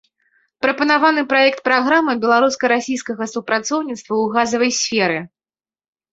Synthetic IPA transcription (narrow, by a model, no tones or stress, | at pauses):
pɾɐpɐnavanɨpɾajɛk̚t̪̚pɾaɣɾamɨbʲɛlˠaɾuskɐɾasʲijskɐɣɐsupɾat̪sɔwnʲit̪st̪vɐwɣazɐvɐjsʲfʲɛɾɨ